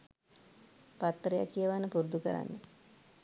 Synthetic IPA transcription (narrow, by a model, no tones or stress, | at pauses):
pat̪ːɾəja̰kːijəʋanːəpuɾd̪ukəɾa̰nːə